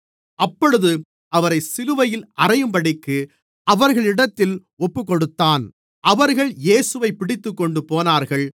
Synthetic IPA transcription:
ʔɐpːɔɻɯðɯ | ʔɐʋɐɾɐɪsɪlɯʋɐjɪlʔɐrɐjɯmpɐɽɪkːɯ | ɐʋɐɾɣɐɭɪɽɐt̪ːɪl | ɔpːɯkːɔɽɯt̪ːaːn | ʔɐʋɐɾɣɐɭjeːsɯʋɐɪpːɪɽɪt̪ːɯkːɔɳɖɯpoːnaːɾɣɐɭ

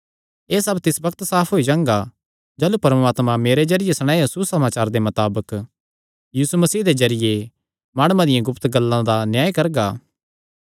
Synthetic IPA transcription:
eːsɐbt̪ɪsbɐkt̪saːpʰɦoːid͡ʒãːŋɡa | d͡ʒɐːlupɐɾmaːt̪mãmeːɾezɐɾɪjesɐɽ̃aːjsusɐmaːt͡ʃaːɾd̪emɐt̪aːbək | jiːsumɐsiːɦd̪ezɐɾɪje | maːɽ̃ʊmãd̪ɪjãɡʊpt̪ɡɐlːãd̪anjaːikɐɾɡaː

